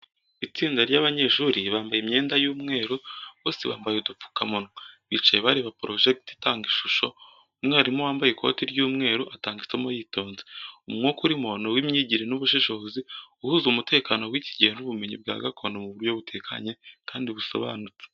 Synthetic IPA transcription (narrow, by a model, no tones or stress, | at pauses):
it͡siːndaɾjaβaɲe̞ʃuɾiβaːmbajeimɲe̞ːndajuːmŋe̞ːɾoβo̞ːsḛβa̰ːmbajeudup͡fu̥kamonwaβit͡ʃajeβaɾiβapɾo̞ʒek̚titaːŋɡiʃuʃo̞̰ | umŋeaɾimowaːmbajekʰo̞̰tiɾjuːmŋe̞ːɾoʔataːŋɡit͡semojiːto̞ːnzeumŋokuɾimonowimɲiːɟiɾenuβuʃiʃo̞ziuhuzumute̞ːkaːno̞wiːciɟeːnuβume̞ɲibɡa̰ːɡakʰo̞nomuβuɾjo̞βutʰe̞kʰa̰ɲe̞kaːndiβuso̰βa̰nut͡se̥